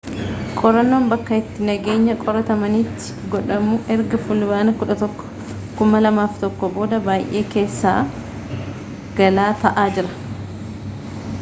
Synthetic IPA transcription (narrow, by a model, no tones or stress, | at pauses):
kʼɔɾɐnːo̞ːmbɐkːɐɪt̪ːɪnɐɡe̞ːɲːɐkʼɔɾɐt̪ɐmɐnɪt̪ːɪ̥ | ɡɔᶑɐmuʔɛɾɡɐfʊlʊbaːnɐkʊᶑɐt̪ɔkːɔ̥ | kʊmɐlɐmaːft̪ɔkːɔbo̞ːd̪ɐbaːjʔe̞ːke̞ːsːa̰ː | ɡ̥ɐlaːt̪ɐʔaːd͡ʒɪɾɐ̥